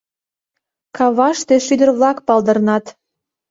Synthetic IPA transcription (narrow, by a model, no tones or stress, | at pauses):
kɑβɑʃt̪øʃyd̪ərβlɑkpɑld̪ə̆rnɑt̪